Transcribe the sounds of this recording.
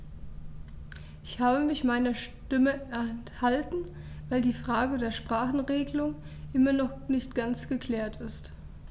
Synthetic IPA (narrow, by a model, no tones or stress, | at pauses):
ʔɪçhaːbəmɪçmaɪnɐʃtɪməɛɐnthaltn̩ | vaɪldiːfʁ̥aːɡədeːɐʃpʁ̥aːχn̩ʁeːɡəlʊŋ | ʔɪmɐnɔχnɪçtɡ̥ant͡sɡ̥əkʰl̥ɛːɐtʰɪst